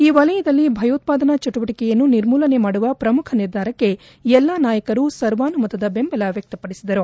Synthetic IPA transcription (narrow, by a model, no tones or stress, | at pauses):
iːʋɐlɐjɐd̪ɐlːibʱɐjɐːt̪̚paːd̪ɐnɐt͡ʃɐʈuʋɐʈikɛjɐnːuniɾmuːlɐne̞maːɽuʋɐpɾɐmukʰɐniɾd̪ʱaːɾɐkːe̞ | ɛlːaːnaːjɐkɐɾusɐɾʋaːnumɐt̪ɐd̪ɐbe̞mbɐlɐʋjɐk̚t̪ɐpɐɽisid̪ɐɾu